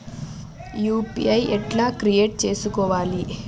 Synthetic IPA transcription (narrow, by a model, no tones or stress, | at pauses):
juːpḭɐjɛʈlaːkɾieːʈ̚t͡ʃe̞ːsukɔːʋaːli